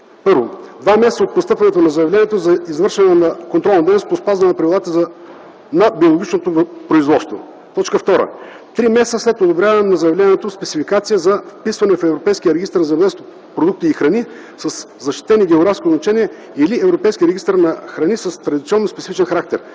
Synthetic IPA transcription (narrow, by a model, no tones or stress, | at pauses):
pɤɾvo̰d̪vamɛst̪əot̪post̪ɤpvɐnɛt̪onɐzɐjɐvlɛnʲiɛt̪ozɐizvɤɾʃɛnɛnɐkõnt̪ɾɔlˠnd̪ɛjnospospazvɐnɛnɐpɾɐvʲilˠat̪əzɐ | nɐbiolˠoɡʲit͡ʃnot̪opɾoizvɔt̪st̪vo̰ | t̪ɔt͡ʃkəft̪ɔɾə̰ | t̪ɾimɛst̪əslɛt̪od̪obɾʲavɐmnɐzəjɐvlʲɛniɛt̪ospɛt̪sifikat̪sijəzɐfpisvɐnɛfɛvɾopɛjsk̟ʲiəɾɛɡist̪əɾnzɐɛvlɛnst̪o | pɾod̪uk̚t̪iːxɾɐni | səs | zɐʃt̪i̥t̪ɛniɡʲɛoɡɾafskʲioznɐt͡ʃɛniɛ | iliɛvɾopɛjskʲiɾɛɡist̪əɾnɐxɾɐnisəst̪ɾɐd̪ʲit̪siɔnːospɛt̪sifit͡ʃɛnxɐɾak̚t̪ɛɾ